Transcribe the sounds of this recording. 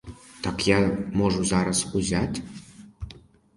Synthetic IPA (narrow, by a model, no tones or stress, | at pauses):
t̪ɑkjɑmoʒuzɑɾɑsuzʲæt̪ʲ